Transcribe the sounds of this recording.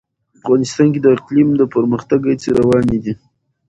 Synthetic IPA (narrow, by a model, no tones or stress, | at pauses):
afɣɑnɪst̪ɑnk̬ed̪əɪqlimd̪əpəɾməxt̪aɡajt͡seɾawɑned̪i